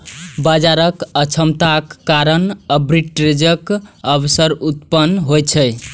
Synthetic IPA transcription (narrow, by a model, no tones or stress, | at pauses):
bad͡ʒaɾəkət͡ʃʰəmt̪akːaɾənəbɾiʈɾed͡ʒəkəbsəɾut̪pənɦojt͡ʃʰəj